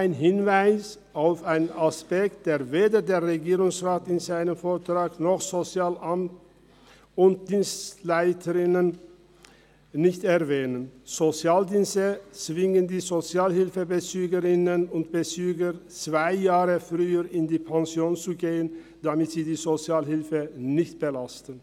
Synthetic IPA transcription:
aɪnɦɪnvaɪs | ʔaʊfaɪnnaspɛk̚t̚d̥eːɐveːdədeːɐʁeɡiːʁʊŋsʁaːtɪnzaɪnəmfoːɐtʁ̥aːknɔχz̥ot͡sjaːlʔamt | ʊnt̚d̥iːnstlaɪtʰəʁɪnən | nɪçtɛʁvɛːnənz̥ot͡sjaːldiːnstət͡sv̥ɪŋəndiːzot͡sjaːlhɪlfəbət͡syːɡəʁɪnənʊntb̥ət͡syːɡət͡sv̥aɪjaːʁəfʁyːəʁɪndiːpʰaŋzjoːnt͡suɡeːən | d̥amɪtz̥iːdiːzot͡sjaːlɦɪlfənɪçt̚b̥əlastn̩

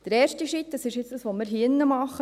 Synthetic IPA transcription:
d̥əɾɛːɾʃtiʃit̪dɑsɪʃɪt͡sd̥əsʋomɪɾɦinːəmɑχə

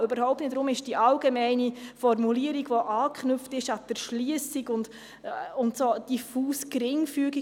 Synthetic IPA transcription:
øbəɾhɔʊp̚tnɪtdɾʊmɪʃd̥iʔɑlɡemɛɪnifɔrmuliəɾiɡʋoʔɑːkχnʏftɪʃɑd̥əɾʃliəsiɡʊnd | ʊntsod̥ifuːskɾɪŋfyːəɡi

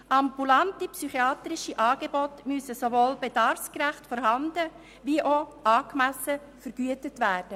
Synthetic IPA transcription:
ʔɑmbulɑntipsyχiɑːt̪ɾɪʃiʔɑːɡebɔtmysəsovoːlbed̥ɑɾfskɾæχtfɔɾɦɑndə | ʋiʔoʔɑːkmæsə | fəɾɡ̥yətətʋæːrd̥ə

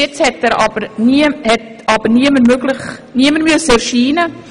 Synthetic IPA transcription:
ɛt͡shɛtːɛːɾɑb̥əɾnihɛtɑb̥əɾniəməmøɡlɪχniəməɾmyəsəɛɾʃiːnə

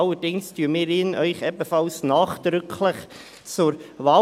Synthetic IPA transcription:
ɑlːədɪŋstyːəmɪːɾɪnʔœʏχɛbəfɑlsnɑːχd̪̥ɾʏkʰləχ | t͡sʊɾʋɑː

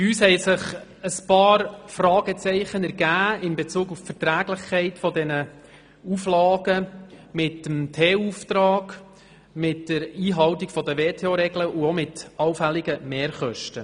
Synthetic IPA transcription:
yːshɛɪsɪχ | əspɑːɾfrɑːɡ̥ɛt͡sɛɪχənæɾɡæːɪmbet͡suːɡuffɛɾtɾæːɡlɪχkʰɛɪtfɔdɛnə | uflɑːɡ̥əmɪtəmtʰeːuft̪ɾɑːɡ | mɪtdəɾiːɦɑwtiɡfɔdəʋeːtʰeoɾɛɡləuɔmɪtɑwfɛlːiɡəmeːɾχœʃtə

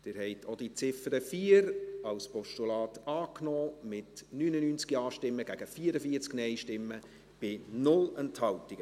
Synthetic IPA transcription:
d̪̥ɪːɾhɛɪtʰod̥it͡sɪfəɾəfiːəɾɑlspɔʃtulɑːtɑːknɔːmɪtnyːnənyːnt͡skiɑːʃtɪmːəɡ̥æɡ̥əfiːəɾəfiəɾt͡sknɛɪjʃtɪmːə | b̥ɪnʊlənthɑwtːiɡ̥ə

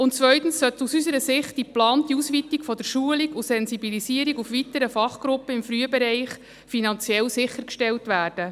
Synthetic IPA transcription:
ʊnt͡sʋœʏt̪ən̩ssœt̪usysəɾəsɪχt̚iplɑːntdiusʋitikfɔd̥əɾʃuəliɡusɛnsibilisiəɾiɡufʋitːəɾəfɑχɡ̥ɾʊpːəɪmfɾyəbɛɾɛɪχ | finɑnt͡sjɛlsɪχːəɾkʃtɛltʋæːrd̥ə

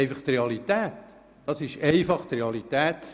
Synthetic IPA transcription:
ɪfɑχt̪reɑlit̪ɛːt̪ | d̥ɑsɪʃɛɪfɑχt̪ɾeɑlit̪ɛːt̪

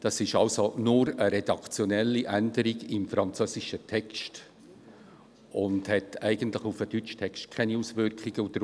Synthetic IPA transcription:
d̥ɑsɪʃɑlsonʊɾəɾɛd̥ɑkt͡sjonɛlːiʔændəɾiɡɪmfɾɑnt͡søːsɪʃətʰɛkst | ʊndhɛtʰæɪɡ̥əntlɪχufədyt͡ʃtʰɛkst̚kʰɛniusvʏrkχɪɡ̥əud̥əɾ

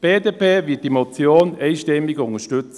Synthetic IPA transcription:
b̥eːdeːpʰeːvɪət̚d̥imɔt͡sjoːnɛɪʃtɛmɪɡʊŋəʃtʏt͡sə

